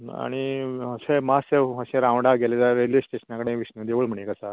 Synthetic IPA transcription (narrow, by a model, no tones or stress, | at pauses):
a̰ɽ̃iəsemaseɦəɕẽɾãʋɖaɡʱelet̪aɾelisʈeɕənakəɽẽʋiɕnəd̪eʋəɭm̤əɳjekəsa